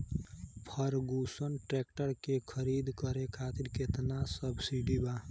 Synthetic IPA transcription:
pʰəɾɡusənʈɾek̚ʈəɾkekʰəɾiːd̪kəɾekʰaːt̪iɾket̪nasəbsiɖiba

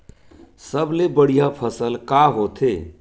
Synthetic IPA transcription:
səblebəɽijapʰəsəlkaɦot̪ʰe

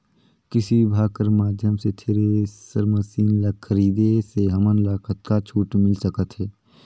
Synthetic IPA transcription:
kɪsibʱaːkəɾmaːd̪ʱjəmset̪ʰeːɾesəɾməsiːnləkkʰːəɾiːd̪eseɦɐmənlaːkʰət̪kat͡ʃʰuːʈmɪlsəkət̪ɦɛː

